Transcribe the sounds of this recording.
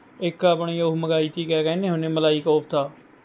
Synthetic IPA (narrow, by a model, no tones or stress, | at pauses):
ɪkaːpɳiːʊməɡaːiːt̪ʰiːkɛːkɛːnẽːɦʊnẽːməlaːiːkoːpʰt̪aː